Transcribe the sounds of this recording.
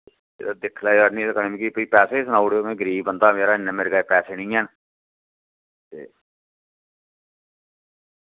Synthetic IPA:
ḛːd̪ad̪ɪkʰlaːaːɾnĩt̪akənmĩkipəiːpɛːseːsənaːuɽeoːmɛ̃ːɡəɾiːbbənd̪aːmeːɾaːɪnːəmeɾɡaːeːpɛːseːnĩːɛːn | t̪ḛː

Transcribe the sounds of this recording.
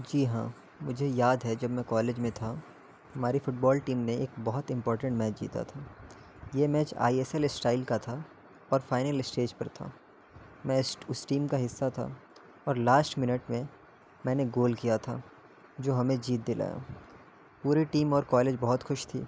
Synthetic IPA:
d͡ʒiːɦãː | mʊd͡ʒʱejaːd̪ʱɦɛd͡ʒɐbmɛ̃kɔːleːd͡ʒmẽt̪ʰa | ɦɐmaːɾifʊʈ̚bɔːlʈiːmneeːkbɔɦʊt̪ɪ̃mpɔːɾʈə̃ɳʈmɛːt͡ʃd͡ʒḭːt̪a̰t̪ʰaː | jemɛːt͡ʃa̰ːiɛsɛlɪsʈaːɪlkat̪ʰa | ɔːɾfaːɪnəlɪsʈeːd͡ʒpɐɾt̪ʰa̰ː | mɛ̃ʊsʈiːmkaɦɪsːat̪ʰa̰ː | ɔːɾlaːsʈmɪnəʈmẽ | mɛ̃ːneɡoːlkijat̪ʰaː | d͡ʒoːɦɐmẽd͡ʒiːt̪̚d̪ɪlʔa̰ːja̰ | puːɾiʈiːmɔːɾkɔːleːd͡ʒbɔɦɔt̪xʊʃt̪ʰḭː

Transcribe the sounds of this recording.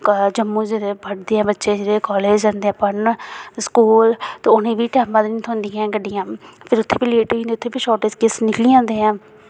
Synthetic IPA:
d͡ʒəmːũːd͡ʒeɾebʱəɽd̪eːɦɛ̃ːbətːʃeːd͡ʒeːɾekɔːleːd͡ʒaːnd̪eːãːpəɳskuːlt̪oːʊnẽːbiːʈɛːmãːd̪ɪnt̪ʰɦʊ̃ːnd̪iːɛ̃ːkəɖijãːpʰɪɾʊt̪ʰːeːpiːleːʈːnd̪eːt̪ʰːeːpiːʃɔːʈeskesnɪkliːãːnd̪eːãː

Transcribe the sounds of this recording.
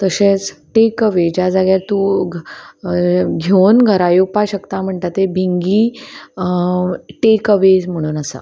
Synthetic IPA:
t̪əɕẽt͡sʈekəʋed͡ʑad͡zaɡjaɾt̪u | ɡʱewnɡʱəɾajupaɕəkt̪am̤əɳt̪at̪ebʱiŋɡiː | ʈekəʋed͡zm̤əɽ̃uːnasa̰

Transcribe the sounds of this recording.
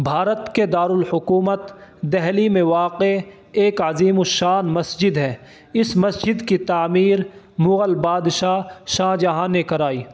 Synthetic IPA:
bʱaːɾət̪ked̪aːɾʊlhʊkuːmət̪d̪ɛɦlimẽʋaːqe | eːkəziːmoʃaːnmɐsd͡ʒɪd̪ɦɛː | ɪsmɐsd͡ʒɪd̪kit̪aːmiːɾ | mʊɣəlbaːd̪ʃaʃãːd͡ʒaɦãːnekɐɾaːiː

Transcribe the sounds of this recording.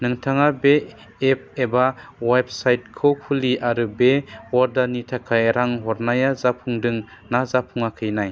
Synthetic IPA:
nɯŋtʰaŋabe | ep̚ebaweb̚sajt̚kʰɯwkʰuliʔaɾɯbewɔɾdanitʰakʰajeɾaŋɦɔɾnajazapʰuŋdɯŋnazapʰuŋakʰɯjnaj

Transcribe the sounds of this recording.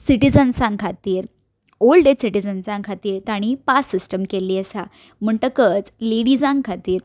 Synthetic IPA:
siʈid͡zənsãŋkʰat̪iːɾ | olɖesiʈid͡zənsãŋkʰat̪iːɾt̪aɽ̃ipasːisʈəmkeliːəsa | m̤əɳʈ̪əkət͡sleɽid͡zãŋkʰat̪iːɾ

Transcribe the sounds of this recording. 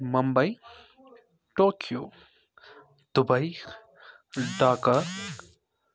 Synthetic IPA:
mɐmbɐj | ʈoːkʰjoː | d̪̥ubɐj | ɖaːkɐɾ

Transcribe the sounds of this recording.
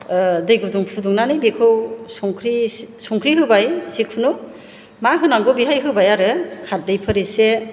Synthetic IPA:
dɯjɡɯduŋpʰuduŋnanɯjbekʰɯwsɔŋkʰɾisɔŋkʰɾiɦɯbajsikʰunu | maɦɯnaŋɡɔbiɦajɦɯbajaɾɯkʰat̚dɯjpʰɯɾese

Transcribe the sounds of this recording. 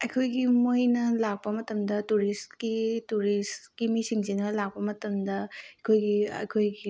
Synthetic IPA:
ɐjkʰojɡimojnɐlak̚pɐmɐtɐmdɐtuɾistkituɾiskimisiŋzinɐlak̚pɐmɐtɐmdɐɐkʰojɡiɐ̰kʰojɡi

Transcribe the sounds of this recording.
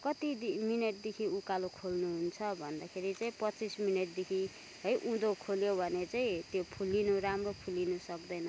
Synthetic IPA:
kʌt̪id̪imineʈ̚d̪ekʰiukalokʰolnuɦunt͡sʰʌbʱʌnd̪akʰeɾit͡saĩpʌt͡sismineʈ̚d̪ekʰi | ɦʌjʔũd̪okʰoljobʱʌnet͡saĩt̪jopʰulːinuɾamropʰulinusʌkd̪ʌjnʌ

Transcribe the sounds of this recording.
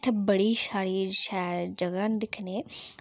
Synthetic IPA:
t̪ʰbɐɽiʃaːɾiʃad͡ʒɐɡaːnd̪ɪkʰne

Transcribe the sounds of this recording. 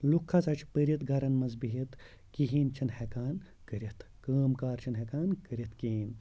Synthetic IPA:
lukʰːɐt͡sɐt͡ʃʰpəɾʲit̪ɡɐɾɐnmɐzbiɦit̪ | kiɦiːnt͡ʃʰɐnhekaːn | kəɾʲit̪ʰ | kɐːmkaːɾt͡ʃʰɐnɦekaːnkəɾʲɐt̪kiɦiːn

